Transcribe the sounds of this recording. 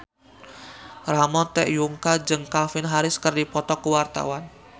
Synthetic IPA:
ramɔt̪ɛ̰ʔjuŋkad͡ʒɨŋkafɪnɦaɾɪskərdipɔt̪ɔkəwart̪a̰wan

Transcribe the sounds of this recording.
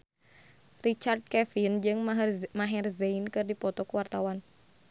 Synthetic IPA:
rit͡ʃard̪̚kɛfind͡ʒɨŋmaɦɛrzɛinkɨrdipɔt̪ɔkuwart̪awan

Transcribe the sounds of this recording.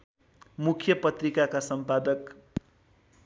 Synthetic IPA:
mukʰjʌpʌt̪rikakasʌmpad̪ʌk

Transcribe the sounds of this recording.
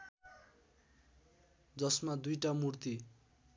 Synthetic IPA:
d͡zʌsmad̪ujʈamurt̪i

